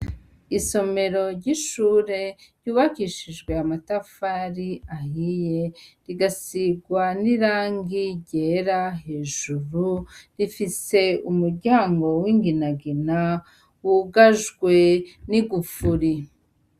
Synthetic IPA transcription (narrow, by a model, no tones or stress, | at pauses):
iso̞me̞ɾo̞ɾɟiʃuːɾe̞ɾɟuːβakiʃiʒɡwe̞amatafaɾiahije̞ɾiɡasiɡwaniɾaːŋɡiɟe̞ɾaɦe̞ːʒuɾuɾifise̞umuɾɟaːŋɡo̞wiŋɡinaɡina | wuɡaʒɡwe̞niɡufuɾi